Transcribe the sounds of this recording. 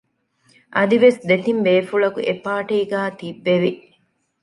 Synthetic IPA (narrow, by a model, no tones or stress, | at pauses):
ʔɐd̪iʋesd̪et̪imbeːfuɭɐkṵʔepaːʈiiɡæːt̪ibːeʋi